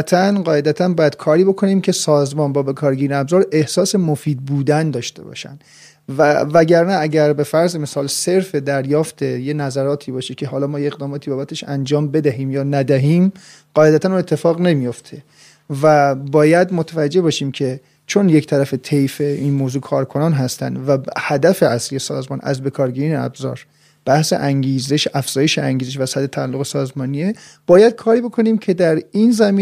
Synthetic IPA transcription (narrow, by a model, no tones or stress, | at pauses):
t̪ʰænɢɒːed̪æt̪ʰænbɒːjæd̪̥kʰɒːɾiːbo̞kʰo̞niːmcʰe̞sɒːzmɒːnbɒːbe̞kʰɒːɾɡiɾnæbzɒːɾe̞hsɒːse̞mofiːd̪̚buːd̪ænd̪ɒːʃt̪ʰe̞bɒ̰ːʃæ̰nd̪ | ævæɟæɾnææɟæɾbe̞fæɾzme̞sɒːlse̞ɾfe̞d̪æɾjɒːft̪ʰe̞jenæzæɾɒːt̪ʰiːbɒːʃecʰeɦɒːlɒːmɒːjeeɣd̪ɒːmɒːt̪ʰibɒːbæt̪ʰeʃænd͡ʒɒːmbe̞d̪æɦiːmjɒːnæd̪æɦiːm | ɢ̥ɒːʔed̪æt̪ʰænuːnet̪ʰːe̞fɒːɣne̞mijo̞ft̪ʰe̞ | væbɒːjæd̪mot̪ʰævæd͡ʒːe̞bɒːʃiːmcʰe̞ | t͡ʃʰo̞nject̪ʰæɾæfet̪ʰejfeinmoːzuːkʰɒːɾkʰo̞nɒːnɦæst̪æ̰nd̪væhæd̪æfe̞ʔæslije̞sɒ̰ːzmɒ̰ːnʔæ̰zbe̞kʰɒːɾɡiːɾiːneæ̰bzɒ̰ːɾ | b̥æhse̞̰ʔæŋɟiːzeʃæfz̥ɒːje̞ʃeæŋɟizeʃ̬væsæd̪et̪ʰæælːo̞ɣesɒːzmɒːnie | b̥ɒːjæd̪̥̚kʰɒːɾiːbo̞kʰo̞niːmcʰe̞d̪æɾiːnzæmiː